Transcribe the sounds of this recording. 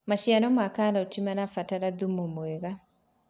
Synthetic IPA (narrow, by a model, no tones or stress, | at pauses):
maɕjanɔmakaːnaotimanafataɾaðumumweɣa